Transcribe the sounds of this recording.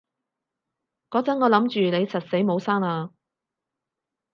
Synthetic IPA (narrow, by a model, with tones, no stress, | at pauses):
kɔː˨˥t͡sɐ˨˥nŋɔː˨˧lɐ˨˥mt͡ʃyː˨ne˨˧jt͡sʰɐ˨t̚se˨˥jmo˨˧wsaː˥ŋlaː˧